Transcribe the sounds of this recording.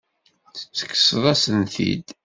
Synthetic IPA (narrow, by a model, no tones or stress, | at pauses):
ə̥t͡sːə̥kːə̥sðˤæsənθḭd̪